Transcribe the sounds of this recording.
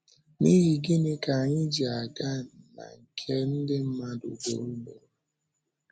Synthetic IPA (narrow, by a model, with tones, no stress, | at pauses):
ni˦ɣi˨ɡɪ˦nɪ˦ka˨a˨ɲɪ˦d͡ʒi˨a˨ɡa˦˨n̩˨na̰˨ŋ̩˨kʰe˦n̩˦dɪ˦m̩˦ma˦dʊ̰˨ɡo̰˨u˦ɡ͡bo˨